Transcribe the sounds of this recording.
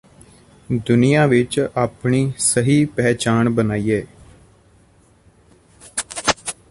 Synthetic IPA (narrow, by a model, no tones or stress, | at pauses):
d̪ʊnɪjãːʋɪt͡ʃaːpɳiːsəɦiːpɛːt͡ʃaːɳbənaːiːɛː